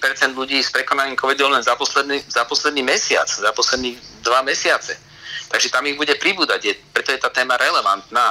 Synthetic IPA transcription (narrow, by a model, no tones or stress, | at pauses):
pɛɾt͡sɛnd̪ʎuɟiːspɾɛkɔnaɲiːmkɔʋid̪ɔlɛnzapɔslɛd̪nizapɔslɛd̪niːmɛsɪa̰t͡szapɔslɛd̪niːd̪ʋamɛsɪat͡sɛ | t̪aɡʒɛt̪amiɣbuɟɛpɾibuːd̪aɟjɛpɾɛt̪ɔjɛt̪aːt̪ɛːmaɾɛlɛʋant̪naː